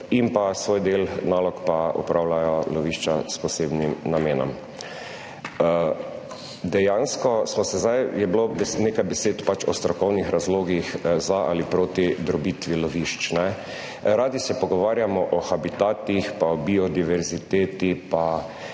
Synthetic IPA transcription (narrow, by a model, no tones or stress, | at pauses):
impasʋoːjd̪eːlnaːlɔkpaṵpɾaːwlajɔlɔʋiʃt͡ʃaspɔseːbnimnameːnɔ̰m | d̪ɛjaːnskɔsmɔsɛzd̪ajjɛblobɛneːkajbɛseːt̪pat͡ʃɔst̪ɾɔkɔwnixɾazloːɡixzaʔa̰lipɾoːt̪id̪ɾɔbit̪ʋilɔʋiʃt͡ʃnɛ | ɾaːd̪isɛpɔɡɔʋaːɾjamɔʔɔxabit̪aːt̪ixpaɔbiɔd̪iʋɛɾzit̪eːt̪ipa